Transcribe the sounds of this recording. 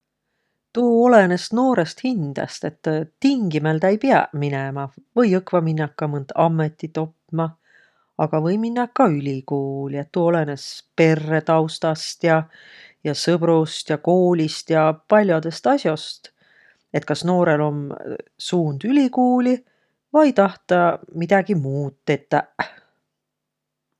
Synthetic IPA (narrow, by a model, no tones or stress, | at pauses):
t̪uːo̞le̞ne̞st̪no̞ːɾe̞st̪hind̪̥ɑ̰st̪e̞t̪ːt̪iŋɡimeld̪ɑejpiɑ̰minemɑvɤjɤkvɑminːɑkːɑmɯnd̪̥ɑmːe̞t̪ːˑit̪o̞pːmɑ | ɑɡ̥ɑvɤjminːɑkːɑylʲikuːliet̪ːuːo̞le̞ne̞spe̞rːe̞t̪ɑwst̪ɑst̪jɑ | jɑsɤb̥ɾust̪jɑko̞ːlʲist̪jɑpɑlʲjod̪̥e̞st̪ɑsjo̞st̪ | e̞t̪̚ˑkɑsno̞ːɾe̞lo̞msuːnd̪̥ylʲikuːlʲi | vɑjt̪ɑht̪ɑmid̪̥ɑɡ̥imuːt̪ːet̪ːˑæ